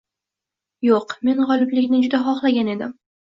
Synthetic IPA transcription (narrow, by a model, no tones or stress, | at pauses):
joqme̞nʁɒlˠɪblɪɡʲnɪd͡ʒʊd̪aχɒχlˠaɡʲane̞d̪ɪm